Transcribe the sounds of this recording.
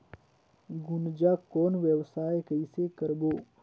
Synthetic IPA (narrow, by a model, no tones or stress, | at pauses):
ɡʊnd͡ʒakɔːnʋjəwsaːekəisekəɾboː